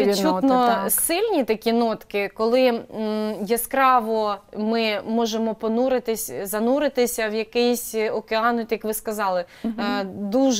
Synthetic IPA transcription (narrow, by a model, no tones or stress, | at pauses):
it͡ʃːunɔsɪlʲnʲit̪ɐkʲinɔt̪kɪkɔlˠɪ | jɛskɾɑʋɔmɪmɔʒemɔpɔnuɾɪt̪ɪsʲzɐnuɾɪt̪ɪsʲɐwjɐkɪjsʲɔkeɑnʊt̪jɐkʋɪskɐzɑlˠɪ | d̪uʒ